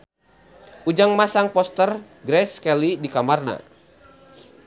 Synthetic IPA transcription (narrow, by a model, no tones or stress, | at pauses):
ʔud͡ʒaŋmasaŋpɔst̪ər | ɡɾɛskɛlidikamarna̰